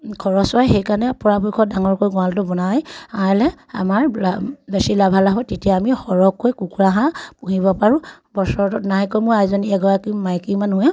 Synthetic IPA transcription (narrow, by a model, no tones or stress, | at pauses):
kʰɔɹɔswajxejkaɹnɛpɔɹapojkʰɔdaŋɔɹkojɡɔaltʊbɔnajalɛ | a̰maɹlabesilabʱalaɦɔjtetijaamixɔɹɔkʰːojkukuɹaɦãpuɦibɔpaɹũbɔɹsɔɹtɔtnaɦɛkɔjmojajzɔniɛɡɔɹakimajkimanɦujã